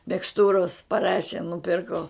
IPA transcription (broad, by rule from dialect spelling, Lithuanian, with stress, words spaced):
mʲɪksˈtuːroːs pɐˈrɑːʃʲeː nʊˈpʲɪrkoː